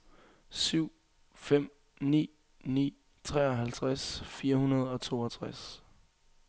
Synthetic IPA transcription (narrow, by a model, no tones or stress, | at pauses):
syʊ̰ | fem̰ | nḭː | nḭː | t͡sʰʁɛ̰ɒ̽ɦælt͡sʰʁasfiːɐhunɐð̞̩ˠɒ̽t͡sʰo̝̰ːɒt͡sʰʁas